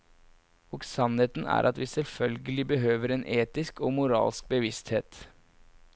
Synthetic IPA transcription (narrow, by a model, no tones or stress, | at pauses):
ɔksɑnheːt̪n̩æ̰ːɾʔɑt̪ʋiːsɛlfœlɡəlɪbəɦøːʋəɾɛːnʔeːt̪ɪskɔːmʊɾɑ̰ːlsk̚bəʋɪst̪heːt̪